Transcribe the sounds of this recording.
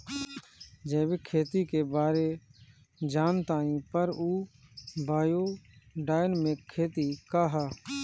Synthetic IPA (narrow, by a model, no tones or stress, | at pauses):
d͡ʒɛːbeːkʰeːt̪iːkeːbaːɾeː | d͡ʒaːnt̪ãːĩːpəɾuːbʱaːjoːɖaːjnmẽːkʰːeːt̪iːkaːɦaː